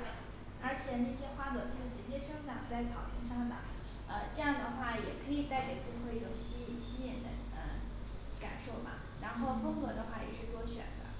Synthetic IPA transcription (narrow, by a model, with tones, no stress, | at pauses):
ə˞˧˥t͡ɕʰjɛ˨˩na˥˩ɕjɛ˥xwa˥˩kɤ˧˩t̪ʂɻ̩˥˩ʈ͡ʂɻ̩˧˥t͡ɕjɛ˥ʂɤ˥ŋʈ͡ʂɑ˨˩ŋt͡sa˥˩ɪt͡sʰɑ˨˩ʊpʰi˥˧nʂɑ˥˩ŋd̪ə̰˨˩˦ŋ | ə˧ʈ͡ʂɤ˥˧jɑ˥˩ŋd̪ə˩xwa˥˩jɛ˨˩kʰɤ˧˥i˨˩t̪a˥˩ɪka˨˩ɪpu˥xwe˥˩ɪjo˨˩ʊɕi˥˨ɕi˥jɛ˨˩nd̪ə̰˦ | ə̰˧ | ka̰˨˩nʂo˥˩ʊbɐ̰˩ | ɻa˧˥nxo˥˩ʊfɤ˥ŋkɤ˧˥d̪ə˧xwa˥˩jɛ̰˨˩ʂɻ̩˥˩t̪wɔ˥ɕɥɛ̰˨˩nd̪ə̰˦